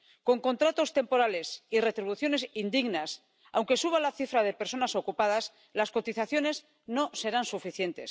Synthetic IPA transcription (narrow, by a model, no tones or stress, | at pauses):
ko̞ŋko̞nt̪ɾat̪o̞st̪e̞mpo̞ɾale̞sire̞t̪ɾiβ̞uθjo̞ne̞sind̪iɣnas | a̰wŋke̞suβ̞alaθifɾaðe̞pe̞ɾso̞naso̞kupað̞as | lasko̞t̪iθaθjo̞ne̞z | no̞se̞ɾansufiθje̞nt̪e̞̰s